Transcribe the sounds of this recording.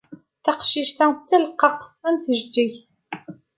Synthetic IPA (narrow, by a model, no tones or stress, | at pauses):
θɑqʃiʃt̪æt͡sːiləqːɑqθæmθəʒd͡ʒːiçθ